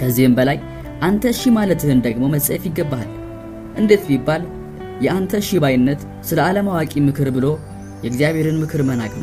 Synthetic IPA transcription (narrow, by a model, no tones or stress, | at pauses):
kʰəzːihɨmbəlaj | ʔant̪ʰəʃimalət̪ɨhɨnd̪əɡmo̞məsʼɛfjɪɡːəbːal | ʔɨnd̪e̞t̪mibːal | jɛʔant̪ʰəʃibajɪnːət̪ | sɨləaləmawakʼimɨkʰɨɾbɨlo̞ | jɛɨɡzijaβhe̞ɾɨnmɨkʰɨɾmənakʼma